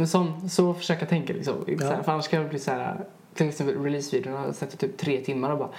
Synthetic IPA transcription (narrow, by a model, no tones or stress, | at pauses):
mɛnsɔnːsɔfœ̥ʂøːkəjat̪ʰɛŋkalɪ̰ksɔ̰mɪ̰nsæːɾfœɾanːaʂkajavɛlbliːsɔhæːɾa̰ | t̪ʰɪlɛɪksɛmpəlɾɛliːsviːd̪ɪʊnasakt̪ːt̪ʰyːp̚t̪ʰːɾeːt̪ʰɪmːaɾɔbɑːɾa